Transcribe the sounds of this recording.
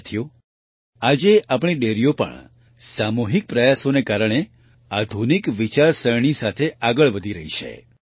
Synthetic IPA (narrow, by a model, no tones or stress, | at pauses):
t̪ʰijo | ad͡ʒeapɳ̃iɖeɾijopə̰ɳ | samuɦik̚pɾəjasonekaɾəɽ̃e | ad̪ʱunikʋit͡ʃaɾsəɾɳ̃isat̪ʰeʔaɡəɭʋəd̪ʱiɾəɦiʃʰḛ